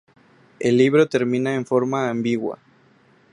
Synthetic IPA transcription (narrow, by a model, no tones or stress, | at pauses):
e̞lːiβɾo̞t̪e̞ɾmĩnaeɱfo̞ɾmaːmbiɣwa̰